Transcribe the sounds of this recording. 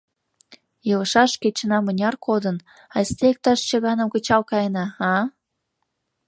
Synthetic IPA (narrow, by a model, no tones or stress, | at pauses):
jələʃɑʃket͡ɕənɑmənʲɑrkʰod̪ən | ɑsʲt̪ek̚t̪ɑʃt͡ɕəɣɑnəmkət͡ɕɑlkɑjənɑhɑ